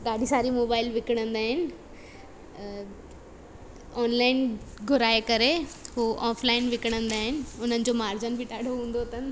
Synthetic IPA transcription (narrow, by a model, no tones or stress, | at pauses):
ɡaːɽʱisaːɾimoːbaːɪlʋɪkɽ̃ə̃nd̪aːɦɪnɪ̆ | ɔːnlaːɪnɡʱʊɾaːekəɾeɦoʔɔːfʰlaːɪnʋɪkəɽ̃ə̃nd̪aːɦɪnɪ̆ʊn̤ənɪ̆d͡ʑomaːɾd͡ʑənbʱiʈaːɽ̤ʱoɦũːnd̪ot̪ən